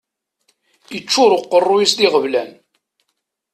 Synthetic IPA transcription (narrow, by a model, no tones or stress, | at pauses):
it͡ʃːʊɾʊqːərˤːujisliʁəvlæn